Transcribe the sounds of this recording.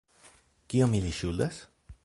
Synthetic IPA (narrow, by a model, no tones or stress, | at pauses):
kiomiliʃuld̪as